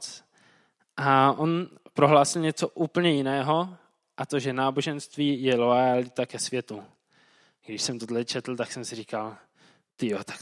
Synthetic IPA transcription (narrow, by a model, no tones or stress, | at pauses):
t͡s | ʔaʔonpɾo̞ɦlaːsɪlɲɛt͡so̞ʔuːpl̩ɲɛjɪnɛːɦo̞ | ʔat̪oʒɛnaːbo̞ʒɛnst̪viːjɛlo̞jalɪt̪akɛsvjɛt̪u | ɡdɪʃsɛmt̪od̪lɛt͡ʃʰɛt̪l̩t̪aksɛmsɪɾiːkal | t̪ɪjot̪ḁk